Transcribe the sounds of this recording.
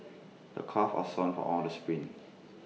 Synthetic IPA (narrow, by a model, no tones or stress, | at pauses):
d̥ə̰kʰɔfɔ̰sɔ̃nfɔ̰ʔɔldəspɹĩn